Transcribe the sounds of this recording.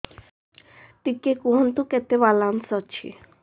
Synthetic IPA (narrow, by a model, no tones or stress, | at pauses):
t̪ikekuɦɔnt̪uket̪ebalansɔt͡ɕʰḭ